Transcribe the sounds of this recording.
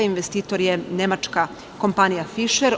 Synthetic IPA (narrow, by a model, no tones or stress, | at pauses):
inʋest̪iːt̪o̞ɾjene̞mat͡ʃka | ko̞mpanijafiʃeɾ